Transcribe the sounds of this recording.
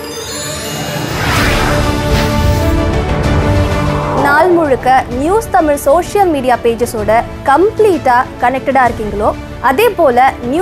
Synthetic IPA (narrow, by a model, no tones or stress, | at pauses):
naːlmʊɻɯkːɐnjuːst̪ɐmɪɻsoːʂɪjɐlmiːɽɪjaːpeːd͡ʒɐsoːɽɐ | kɐmpliːʈːaːkɐnɛk̚ʈɐɽaːɪɾɯkːiŋɡɐɭoː | ɐðeːpoːlɐnj